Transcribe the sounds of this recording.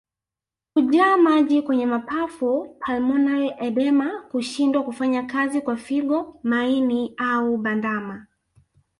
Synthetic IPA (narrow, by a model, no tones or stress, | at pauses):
kuʄaːmaʄikwɛɲɛmapafupʰalmɔnalʔɛɗɛmakuʃindwakufaɲakazikwafiɠɔmainiauɓandama